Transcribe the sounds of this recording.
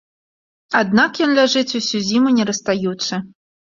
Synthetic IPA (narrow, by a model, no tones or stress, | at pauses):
ad̪̚nakjɔnlʲaʐɨt͡sʲusʲuzʲimunʲɛɾɐst̪ajut̪sɐ